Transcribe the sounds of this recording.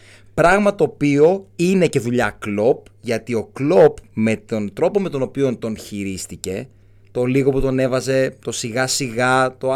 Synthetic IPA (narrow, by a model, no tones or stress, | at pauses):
pɾɐɣmɐt̪o̞ːpio̞ine̞ce̞ðuʎɐklo̞p̚ʝɐt̪io̞klo̞pme̞t̪o̞nt̪ɾo̞po̞me̞t̪o̞no̞pio̞nt̪o̞nçiɾist̪ice̞ | t̪o̞liɣo̞put̪one̞vɐze̞t̪o̞siɣɐsiɣɐt̪o